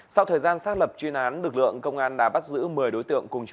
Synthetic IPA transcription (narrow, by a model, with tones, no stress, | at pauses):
sa˧wt̪ʰəː˨˩jzaː˧nsaː˦˥t̚lə˨˩p̚t͡ɕwi˧ənʔaː˨˦nlɨ˨˩k̚lɨ̰˧˨əŋkə˧wŋ͡mʔaː˧nɗa̰ː˧˥ɓa˦˥t̚zɨ̰˧˥mɨ˨˩əjɗo˨˦jt̪ɨ̰˧˨əŋkʊ˨˩ŋ͡mt͡ɕ